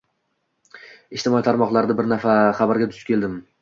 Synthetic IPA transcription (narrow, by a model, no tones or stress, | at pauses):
ɪʃt̪ʰɪmɒit̪ʰaɾmɒqlˠaɾɪd̪abɪɾnafaχabaɾɡʲat̪ʰʊ̥kʲe̞ld̪ɪm